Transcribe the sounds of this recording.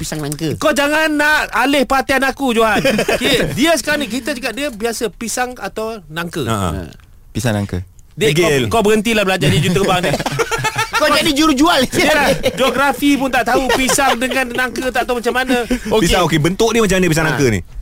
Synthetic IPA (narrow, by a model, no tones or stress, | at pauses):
pisaŋnaŋkəkod͡ʒaŋanːaʔalɪhpəat̪ianakud͡ʒuaankidiəsə̥kaɾnik̬it̪əd͡ʒəkaʔ̚diəbiasəpisaŋat̪awnaŋkəa̰ | pisaŋna̰ŋkə̰ | dəɡlkabəɣənt̪ilahbəlad͡ʒadiəd͡ʒut̪ərbaŋni | kod͡ʒadid͡ʒuɾd͡ʒualilahd͡ʒoɡɾafip̬ʊnt̪aʔt̪aupisaŋdəŋanːaŋkət̪aʔt̪awmat͡ʃamanəopisaokebənt̪ʊʔ̚diəmat͡ʃamːanə̃pis̬aŋnaŋkənḭ